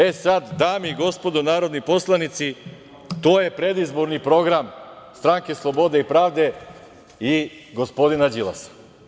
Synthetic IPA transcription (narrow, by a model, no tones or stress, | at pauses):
esad̪d̪aːmiɡo̞spo̞d̪onaːɾo̞d̪niposlˠanit̪si | t̪oːjepɾed̪izboɾnipɾo̞ɡɾamst̪ɾaŋkeslˠobod̪eipɾaːvd̪e | iɡospo̞d̪inad͡ʒilˠa̰sḁ